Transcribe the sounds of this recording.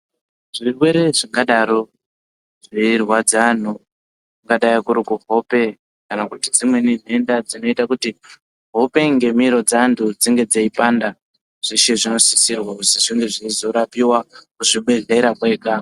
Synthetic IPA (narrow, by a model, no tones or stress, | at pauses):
ʐirwe̞ɾe̞ʐiŋɡaɗaɾo̞ | ʐiirwad͡zan̤u | kuŋɡaɗajikuɾikuɦo̞pe̞ | kanakutid͡zimwe̞nin̤e̞ndad͡zino̞itakuti | ɦo̞pe̞ŋɡe̞miɾo̞d͡zandʰud͡ziŋɡe̞d͡zaipanda | ʐ̥iʃeʐino̞sisirwausiʐiŋɡe̞ʐiizo̞ɾapiwakuʐiɓe̞ɮeɾakwe̞ːka